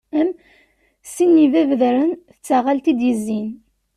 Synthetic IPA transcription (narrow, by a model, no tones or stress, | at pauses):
æm | sinːivævðɾənθət͡sːæʁalt̪id̪jəzːin